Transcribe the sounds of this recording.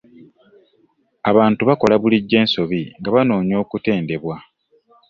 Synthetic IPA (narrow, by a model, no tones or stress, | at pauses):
aβaːntuβako̞laβuliɟːe̞ːnso̞βiŋɡaβano̞ːɲo̞ːkute̞ːnde̞βwa